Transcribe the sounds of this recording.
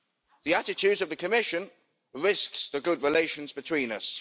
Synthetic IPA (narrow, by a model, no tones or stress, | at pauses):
ðiatɪt͡ʃʰʉːdzəvðəkʰəmɪʃə̃n | ɹɪsksðəɡʊdɹɪleɪʃə̃nzbɪtʰw̥ĩːnəs